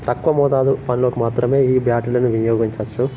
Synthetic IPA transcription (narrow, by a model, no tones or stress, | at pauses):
t̪ɐkːʋɐmɔːd̪aːlupɐniloːkimaːt̪ɾɐme̞ːiːbjaːʈilɐnuʋinjoːɡiɲt͡ʃɐt͡ʃːu